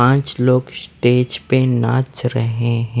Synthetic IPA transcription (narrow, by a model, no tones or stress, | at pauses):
ãːt͡ʃloːɡsʈeːd͡ʒpenaːt͡ʃɾəɦeɦɛ̃